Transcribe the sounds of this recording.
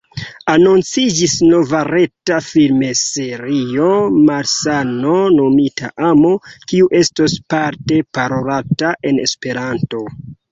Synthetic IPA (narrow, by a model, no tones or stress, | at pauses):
anunt͡sid͡ʒisno̞vaɾe̞tafilme̞se̞ɾio̞maɾsano̞no̞mitʰa̰ʔamo̞kiuʔe̞stospaɾte̞paɾoɾataʔe̞ne̞̰spe̞ɾanto̞